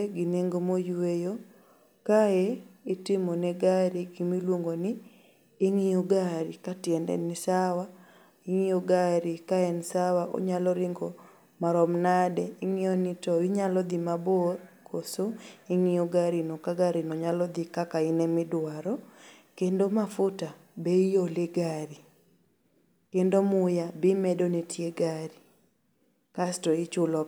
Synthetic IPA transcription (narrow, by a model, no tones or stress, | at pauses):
ɡɪneŋɡomojwejo | kaeitɪmonɛɡaɾiɡimilwoŋɡonɪiː | ŋioɡaɾɪkatjɛndɛ̰nɪsawa | ɪŋijoɡaɾɪkaɛnɪsawaʔo̰ɲalɔɾɪŋɡo | maɾɔmnadɛɪŋijonitɔwɪɲalɔd̪imaborkʰosoɪŋɪoɡaɾinokaɡaɾinɔɲalɔd̪ikakaɪnɛmɪdwaɾɔkendomafʊta | bejolɪɡaɾi | kendomʊjabɪmɛdonetʰjeɡaɾi | kastɔɪt͡ʃʊlɔ